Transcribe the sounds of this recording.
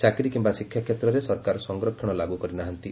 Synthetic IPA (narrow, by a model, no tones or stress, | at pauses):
t͡ʃakiɾikimbasikʰjakʰjet̪ɾɔɾesɔɾkaɾɔsɔŋɡɾɔkʰːɔɽ̃ɔlaɡukɔɾinaɦant̪i